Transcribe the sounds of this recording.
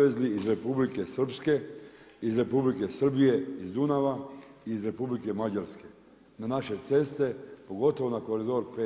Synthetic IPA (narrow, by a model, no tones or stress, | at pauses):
ezliːzɾe̞publike̞sr̩pske̞ | izɾe̞publike̞sr̩bije̞izd̪unaʋaiːzɾe̞publike̞mad͡ʑaɾske̞ | nanaʃe̞t̪se̞st̪e̞po̞ɡo̞t̪oʋo̞nakoɾid̪o̞ɾpe